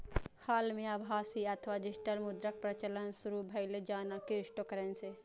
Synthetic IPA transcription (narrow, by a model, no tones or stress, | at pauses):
haːlmẽabʱaːsiɐt̪ʰʋad͡ʒɪsʈəlmʊd̪ɾək̚pɾɐt͡ʃələnsʊɾubʱɐɪled͡ʒaːnakɪɾɪʃʈokəɾənse